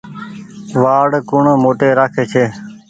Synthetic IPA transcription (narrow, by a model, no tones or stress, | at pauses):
ʋaːɽkʊɳːmoːʈeːɾaːkʰeːt͡ʃʰeː